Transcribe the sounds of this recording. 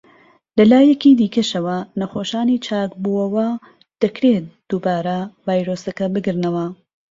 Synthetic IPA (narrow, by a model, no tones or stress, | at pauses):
lɐlaːjɛkiːd̪iːkɐʃɐwɐnɐxoːʃaːniːt͡ʃʰaːkbuːɐwɐ | d̪̥ɐkɾet̪̚d̪̥uːbaːɾɐvaːjɾoːsɐkɐbɨɡɨɾnɐwɐ